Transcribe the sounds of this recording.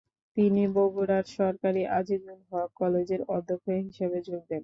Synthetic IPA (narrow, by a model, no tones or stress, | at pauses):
t̪iniboɡuɽaɾʃɔɾkaɾiʔad͡ʑiɡulɦɔakɔled͡ʑeɾɔd̪ʱːokʰːoeɦiʃabed͡ʑoɡ̚d̪en